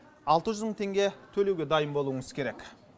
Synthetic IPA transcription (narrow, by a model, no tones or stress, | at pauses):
ɑlˠt̪əʒʏzməɴt̪ʰe̞ŋɡʲe̞t̪ʰɵle̞wɡʲe̞d̪ɑjəmbo̞lˠuəŋəzkʲʰe̞ɾekʲ